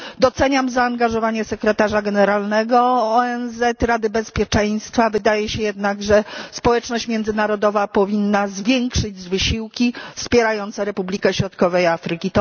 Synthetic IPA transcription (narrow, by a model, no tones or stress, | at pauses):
d̪ɔt̪sɛɲamzaːŋɡaʐɔvaɲɛsɛkɾɛt̪aʐaɡɛnɛɾalnɛɡɔːɛnzɛt̪ɾad̪ɘbɛspʲjɛt͡ʂɛj̃st̪favɘd̪ajɛɕɛjɛd̪naɡʐɛspɔwɛt͡ʂnɔɕt͡ɕmʲjɛnd̪zɘnaɾɔd̪ɔvapɔvʲinːazvʲjɛŋkʂɘd͡ʑzvɘɕiwkʲifspʲjɛɾajɔnt̪sɛɾɛpublʲikɛɕɾɔt̪kɔvɛjafɾɘkʲit̪ɔ